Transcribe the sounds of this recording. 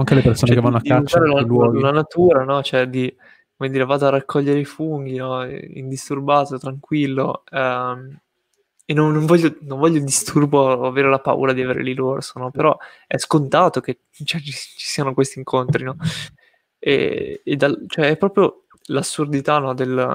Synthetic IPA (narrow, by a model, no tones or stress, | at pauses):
aŋkelepersoːnekevanːoakd̪iːat͡ʃaɾelalwɔːɡilanat̪uːɾanɔt͡ʃoɛd̪i | komed̪iːɾevaːd̪oarːakːɔʎːeɾeifuŋɡinɔ̰ḭnd̪ist̪urbaːt̪ot̪ɾaŋkwilːoɛ | enːonːoɱvɔʎːonoɱvɔʎːod̪ist̪urboaveːɾelapa̰ṵːɾad̪iavḛːɾḛlilorsonɔpeɾɔ | ɛskont̪aːt̪oke | t͡ʃɛt͡ʃit͡ʃi̥siːanokwest̪iːŋkont̪ɾinɔ | ḛed̪alt͡ʃoɛɛpːɾɔːpɾjo | lasːurd̪it̪anːɔd̪el